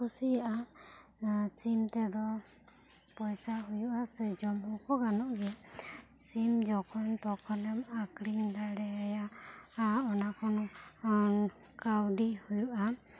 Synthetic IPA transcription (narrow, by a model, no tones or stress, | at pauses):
kusijaʔa | simt̪ɛd̪ɔ | pɔjsaɦujuʔasɛd͡ʒɔmhɔkɔɡanɔʔɡɛ | simd͡ʒɔkʰɔnt̪ɔkʰɔlɛmakɾiɲd̪aɽɛɛjaaɔnakʰɔnɔ | kawɖihujuʔa